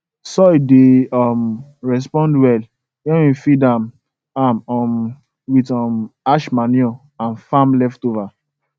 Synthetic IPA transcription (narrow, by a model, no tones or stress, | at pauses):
sɔideɔmɹɛs̬pɔ̃ndwɛl | jɛ̃wĩfidãm | amɔm | witɔmaʃmaniɔ | ãnfãmlɛftova